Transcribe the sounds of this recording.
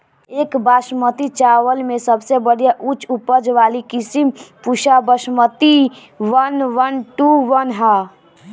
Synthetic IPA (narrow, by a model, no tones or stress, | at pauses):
ekbasmət̪it͡ʃaʋəlmesəbʱsebəɽ̤ijaʔut͡ʃʰupəd͡ʒʋalikisimpuʃabəsmət̪i | ʋənʋənʈuʋənɦa